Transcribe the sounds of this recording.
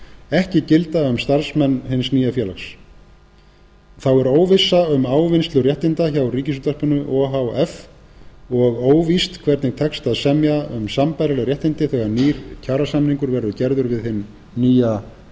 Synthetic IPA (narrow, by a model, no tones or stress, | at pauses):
ɛhcɪcɪlt̪aʏmst̪aɾsmɛnːhɪnsniːjafjɛːlaxs | θawɛɾoːwvɪsːaʏmaːwvɪnst̪lʏrjɛht̪ɪnt̪açawriːcɪs̬ut̪aspʏnːʏʔɔɦawɛf | ɔɣoːwvist̪kʰvɛɾt̪nɪɾ̥t̪ʰɛkst̪aðsɛmjaʏmsampajɾalɛɣɾjɛht̪ɪnt̪ɪθɛɣaɾniːɾcʰaːɾasamniŋkʏɾvɛɾðʏcɛɾðʏɾvɪðhɪnː | iːja